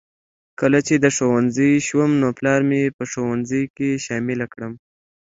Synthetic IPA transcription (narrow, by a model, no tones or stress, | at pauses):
kəlat͡ʃed̪əʂowanzəjʃwəmnoplɑɾmepəʂowanzəjkeʃɑmɪlakɽəm